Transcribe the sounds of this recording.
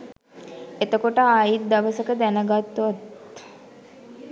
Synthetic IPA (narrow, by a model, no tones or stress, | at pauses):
et̪əkoʈəajit̪̚d̪aʋəsəkəd̪ænəɡat̪ːuʋat̪